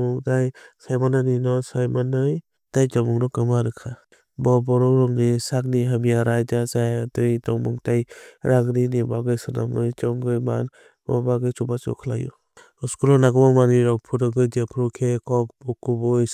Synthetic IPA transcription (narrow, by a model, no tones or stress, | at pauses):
ɔŋdajsajmananinɔsajmanɯj | d̥ajd͡ʒɔmuŋnɔkɯmaɾɯkʰa | bɔbɔɾɔwɾɔŋnisak̚niɦamijaɾajdazajdɯjdɔŋmɔŋtajɾʔaŋninibaɡɯjsɯna̰mɯjt͡ʃɔŋɡɯjma̰n | bɔ̰baɡɯjt͡ʃubat͡ʃɔ̰kʰla̰jṵ | ɔskulɔnaɡɯmɔŋmaniɾɔkpʰudɔɡɡɯjdapʰɾɔkʰekɔp̚bɔkubɔj